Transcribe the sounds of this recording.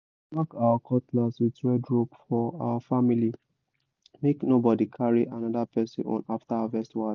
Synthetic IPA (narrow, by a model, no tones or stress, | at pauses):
makawakʰɔtlaswitɹɛdɹobfɔa̰wafamili | meknobɔdikʰaɹiʔanɔdapʰɛsḭ̃nɔ̰̃naftaaavɛstwa